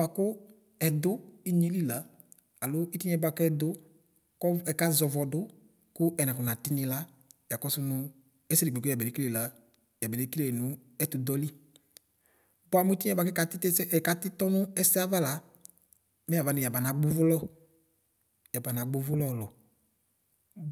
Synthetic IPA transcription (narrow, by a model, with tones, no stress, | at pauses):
a˨kʊ˦ | ɛ˨dʊ˦i˦ɲi˦li˦˨la˨˦ | a˨lʊ˦i˦ti˦ɲ˦ɛ˧˦ba˧kɛ˦dʊ˦ | kɔ˦ɛ˨ka˦zɔ˨vɔ˨dʊ˦ | kʊ˦ɛ˨nã˨kʊ˨na˨tɪ˦nɪ˧la˦ | ja˨kɔ˦sʊ˦nʊ˧ | ɛ˦sɪ˦i˨ɡ͡be˨kja˨bɛ˨e˨˦ki˦le˨la˨˦ | ja˨bɛ˨le˨˦ki˦le˦˨nʊ˨˦ | ɛ˦tʊ˨dɔ˦li˦ | bɔ˦a˦mʊ˦i˦ti˦ɛ˦ba˧kɛ˦ka˨ttka˦tɪ˦tɔ˦nʊ˦ɛ˦sɛ˦a˦va˦la˦ | mɛ˦a˨va˨nʊ˨ja˨ba˨na˨ɡ͡bʊ˦vʊ˦lɔ˦ | ja˨ba˨na˨ɡ͡bʊ˦vʊ˦lɔ˦˨lɔ˨